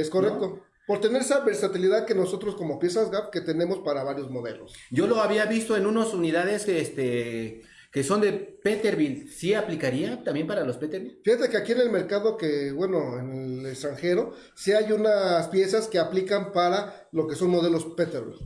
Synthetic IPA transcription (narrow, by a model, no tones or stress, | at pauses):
eskorekt̪o̞ | po̞ɾt̪eneɾesaβe̞ɾsat̪iliðaðke̞no̞sot̪ɾo̞sko̞mo̞pje̞sazɣap̚ke̞t̪e̞ne̞mo̞spaɾaβaɾjozmo̞ðelo̞sɟ͡ʝo̞lo̞aβiaβist̪o̞e̞nũnosuniðaðe̞sest̪e | keso̞nd̪epet̪eɾβilsiaplikaɾiat̪ambje̞mpaɾalospet̪eɾβifixat̪e̞keakie̞ne̞lme̞ɾkaðo̞kebwe̞no̞enelekst̪ɾaŋxe̞ɾo̞ | siajunaspje̞saske̞aplikampaɾa | lo̞keso̞nmo̞ðe̞lo̞spet̪eɾβḭl